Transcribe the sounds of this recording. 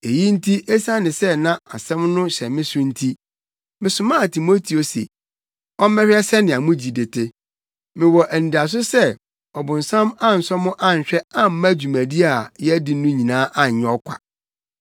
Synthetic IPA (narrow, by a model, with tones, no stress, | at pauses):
e˨ji˦n̩˦tʰi˦ʔɛ˦sã˦nɪ̃˨sɛ˦nã˦a˨sɛ̃˦mnʊ̃˦ɕɛ˨mɪ̃˦sʊ̃˦n̩˦tʰi˦ | mɪ̃˨sʊ˨mãː˦˨tʰi˨mo˦tʰi˨o˨sḛ˨ | ɔ˦m˦mɛ˦ɕᶣɛ˦sɛ˦nɪ̃˨a˨mʊ̃˦d͡ʑi˨dɪ˨tʰɪ˦ | mɪ̃˨wɔ˨ʔn̩˨di˨a˨s̬ʊ˦sɛ˦ | ɔ˨bʊ̃˨n̩˨sã˦mã˦n̩˨sɔ˦mʊ̃˦ʔã˦˨ɲ̩˨ɕᶣɛ˦ã˦m̩˦mã˦d͡ʑu˨mæ̃˨di˦a˨jɛ˦di˨˦nʊ̃˦ɲĩ˨nãː˦ʔã˦ɲ˨ɲɛ̃˦ɔ˦kʷʰa̰˨